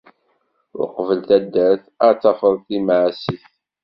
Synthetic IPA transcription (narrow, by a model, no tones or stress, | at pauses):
ʊ̰ɾqvəlt̪æd̪ːæθ | əɾt͡sːɑfəðˤθimʕsiθ